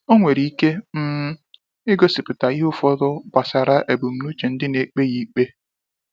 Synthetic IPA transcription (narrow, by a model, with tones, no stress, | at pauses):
o˦ŋʷe˨ɾi˦i˦ke˦m̩˦ | ɪ˦ɡo˦sɪ˨pʊ˨ta˨i˦ɦʊ˦fɔ˦dɔ˦ba˨sa˨ɾa˦ʔe˨bu˨m̩˨nu˦t͡ʃe˨n̩˦dɪ˦ne˨k͡pe˦ɣi˨˦k͡pe˦